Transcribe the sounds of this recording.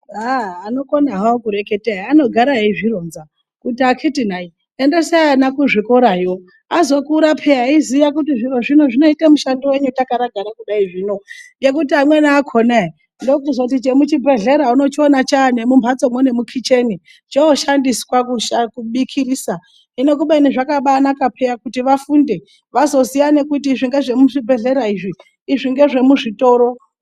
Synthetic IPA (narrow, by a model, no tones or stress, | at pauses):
aːno̞konaɦaokuɾe̞ke̞teiano̞ɡʱaɾaɦeiʐironza | kutiakʰitinai | endeseanakuʐikoɾajo̞ | azo̞kuɾapʰeaizijakutiʐiroʐinoʐino̞itemuʃandiwe̞ɲutakaɾaɡʱaɾakuɗaiʐiːno̞ɡe̞kutiamwenaːkʰonai | ndokuzakutit͡ʃemut͡ʃibʱe̞ɮe̞ɾauno̞t͡ʃionat͡ʃaːnemumbʰʱat͡so̞mwone̞mukʰit͡ʃe̞ni | t͡ʃeoʃandiskwakuʃakuɓikʰiriːsa | ine̞k̬uɓainiʐakaɓanakapʰejakutiʋafunde̞ | ʋazo̞sijanekutiʐiŋɡe̞ʐe̞muʐibʱe̞ɮe̞ɾaiʐiː | ʐiŋɡe̞ʐe̞muʐito̞ːɾo